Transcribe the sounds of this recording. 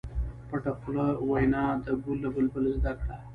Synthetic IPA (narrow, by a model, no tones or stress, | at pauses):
paʈapʊlawajnɑd̪əɡulːabəlbəlozd̪akɽa